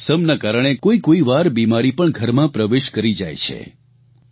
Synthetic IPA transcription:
səmnakaɾəɳ̃ekoikoiʋaɾbimaɾipəɳɡʱəɾmãpɾəʋeʃkəɾid͡ʒa̰jt͡ʃʰḛ

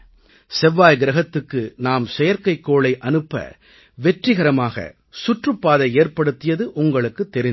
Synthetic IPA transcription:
sɛʋːaːjɡɪɾɐɣɐt̪ːɯkːɯnaːmsɛjɐɾkɐɪkːoːɭɐɪʔɐnɯpːɐ̰ | ʋɛʈrɪɣɐɾɐmaːɣɐ̰ | sʊʈrɯpːaːðɐɪeːɾpɐɽɯt̪ːɪjɐðɯʔʊŋɡɐɭɯkːɯt̪ːɛɾɪn

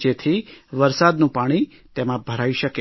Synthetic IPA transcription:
d͡ʒet̪ʰiʋəɾsad̪nũpaɽ̃i | t̪emãbʱəɾaiʃəke

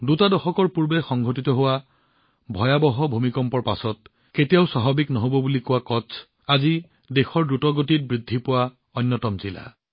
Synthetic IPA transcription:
dutadɔxɔkɔɹpuɹbɛxɔŋɡʱotitɔɦʊwa | bʱɔjabɔɦɔbʱumikɔmpɔɹpasɔt̚ | ketijaʊsaɦɔbiknɔɦobɔbulikʊwakɔsʰ | azi | dexɔɹdutɔɡotit̚bɹidʱːipʊwa | ɔjnːɔtɔmzila̰

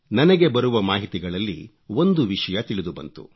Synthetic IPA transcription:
nɐnɛɡe̞bɐɾuʋɐmaːɦit̪iɡɐɭɐlːḭ | o̞nd̪uʋiʂɐjɐt̪iɭid̪ubɐnt̪ṵ

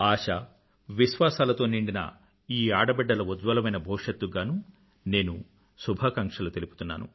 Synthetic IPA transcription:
aːʂɐ | ʋiʃʋaːsaːlɐt̪oːniɳɖinɐ̰ | iːaːɽɐbɛɖːɐlɐud̪ʋɐlɐmɐjnɐbʱɔːʂɐt̪ːuɡaːnuː | ne̞ːnu | subʱaːkɐŋkʂɐlut̪e̞lipu̥t̪unːa̰ːnṵ

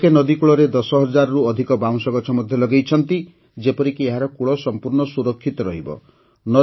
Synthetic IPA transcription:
kenɔd̪ikuɭɔɾed̪ɔsɔɦɔd͡ʒaɾɔɾuɔd̪ʱikɔbaw̃sɔɡɔt͡ʃʰɔmɔd̪ʱjɔlɔɡejt͡ʃʰɔnt̪i | d͡ʒepɔɾikieɦaɾɔkuɭɔsɔmpuɾɳɔsuɾɔkʰːit̪ɔɾɔɦibɔ̰ | nɔ

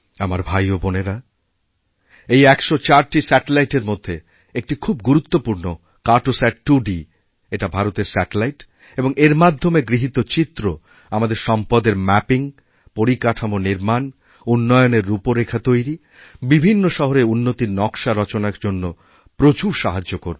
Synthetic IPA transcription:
amaɾbʱajoboneɾa | ejɛkʃot͡ɕaɾʈisɛʈelajʈeɾmod̪ʱːe | ek̚ʈikʰubɡuɾut̪ːopuɾno | kaʈosɛʈ̚ʈuɖi | eʈabʱaɾot̪eɾsɛʈelajʈ | eboŋeɾmad̪ʱːomeɡɾiɦit̪ot͡ɕit̪ːɾo | amad̪eɾʃɔmpɔd̪eɾmɛpiŋ | poɾikaʈʰamoniɾman | unːɔjoneɾːupoɾekʰat̪ojɾi | bibʱinːoʃɔɦoɾeunːot̪inɔkʃaɾɔt͡ɕonaɾd͡ʑonːo | pɾot͡ɕuɾʃaɦad͡ʑːokoɾ

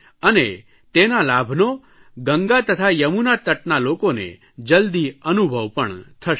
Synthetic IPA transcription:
əne | t̪enalabʱno | ɡəŋɡat̪ət̪ʰajəmunat̪əʈnalokonḛ | d͡ʒəld̪iənubʱəʋpəɳt̪ʰəʃ

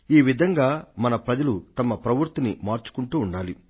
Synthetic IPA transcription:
iːʋid̪ʱɐŋɡaːmɐnɐpɾɐd͡ʒɐlut̪ɐmɐpɾɐʋuɾt̪inimaːɾt͡ʃu̥kuɳʈuːɳɖaːli

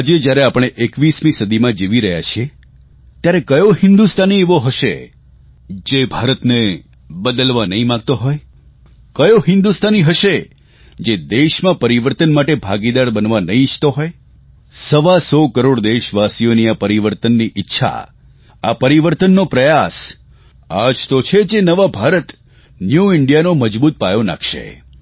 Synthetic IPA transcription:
ad͡ʒed͡ʒjaɾeapəɽ̃eʔekʋismĩsəd̪ʱimãd͡ʒeʋiɾəɦja̰t͡ʃʰie | t̪jaɾekəjoɦɪnd̪ust̪ʰanieʋoɦəʃḛ | d͡ʒebʱaɾət̪ne | bəd̪əlʋanəɦĩmãɡ̚t̪oɦoj | kəjoɦɪ̃nd̪ust̪ʰaniɦəʃe | d͡ʒed̪eʃmãpəɾiʋəɾt̪ənmaʈebʱaɡid̪aɾbənʋanəɦĩt͡ʃʰt̪oɦoj | səʋasɔkəɾoɽd̪eʃʋasijoniapəɾiʋəɾt̪ənːiʔɪtːʃʰa̰ | apəɾiʋəɾt̪ənːopɾəjas | a̰d͡ʒt̪ot͡ʃʰed͡ʒenəʋabʱaɾət̪ | njuɪɳɖijanoməd͡ʒbut̪̚pajona̰kʰʃḛ

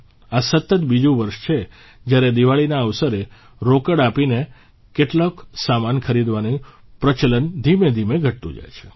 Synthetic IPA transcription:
asət̪ːət̪bid͡ʒũʋəɾʃt͡ʃʰe | d͡ʒjaɾed̪iʋaɭinaəʋsəɾe | ɾokəɽapine | keʈloksamankʰəɾid̪ʋani | pɾət͡ʃələnd̪ʱimed̪ʱimeɡʱəʈ̚t̪ṵ̃d͡ʒa̰jt͡ʃʰe̥

